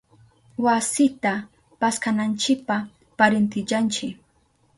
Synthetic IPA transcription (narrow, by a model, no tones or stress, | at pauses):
wasɪt̪a | paskanant͡ʃɪk̚pa | paɾɪnt̪ɪt͡ʃant͡ʃɪk